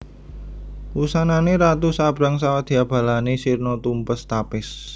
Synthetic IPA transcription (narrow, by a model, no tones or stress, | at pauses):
wusananeɾat̪usab̥ɾaŋsawad̪̥i̤ab̥a̤lanesirnɔt̪umpəst̪apɪs